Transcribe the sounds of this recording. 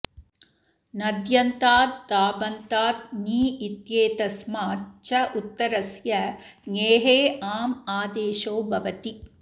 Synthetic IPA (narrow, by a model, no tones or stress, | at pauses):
nɐd̪jɐnt̪aːt̪̚d̪aːbɐnt̪aːt̪̚niːit̪jeːt̪ɐsmaːt͡ʃɐʔut̪ːɐɾɐsjɐŋeːɦeːaːmaːd̪eːʃoːbʱɐʋɐt̪i